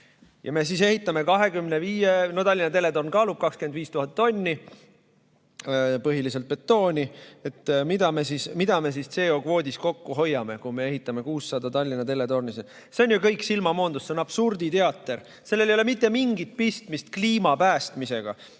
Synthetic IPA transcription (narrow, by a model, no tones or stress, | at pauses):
jɑ̰me̞s̬is̬e̞ɦit̪ːˑɑme̞kɑɦe̞kymne̞viːjenot̪ɑlʲːinɑt̪e̞le̞t̪o̞rnkɑːlub̥̚kɑkskymend̪viːst̪uɦɑt̪ːo̞nʲːi | pɤɦilis̬elt̪̚pe̞t̪ːo̞ːnʲie̞t̪ːmid̪̥ɑme̞sismid̪̥ɑme̞s̬ist̪se̞ːo̞kvo̞ːd̪isko̞kːuɦo̞jːɑme̞kume̞e̞ɦit̪ːˑɑme̞kuːsːɑd̪̥ɑt̪ɑlʲːinɑt̪e̞le̞t̪o̞rnise | se̞onʲjukɤjksilmɑmo̞ːnd̪usːeonɑb̥surd̪̥it̪e̞ɑt̪ˑːe̞r | se̞lːe̞lejole̞mit̪ːemiŋɡit̪̚pist̪mist̪̚kliːmɑpæːst̪mise̞ɡ̥ɑ̰